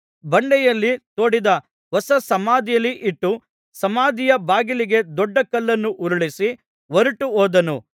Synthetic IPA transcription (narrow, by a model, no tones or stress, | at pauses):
bɐɳɖɛjɐlːit̪oːɽid̪ɐ | ʋɔsɐsɐmaːd̪ijɐlːiʔiʈːu | sɐmaːd̪ijɐbaːɡiliɡe̞d̪ɔɖːɐkɐlːɐnːuʔuɾuɭisi | ʋɐɾuʈuoːd̪ɐnu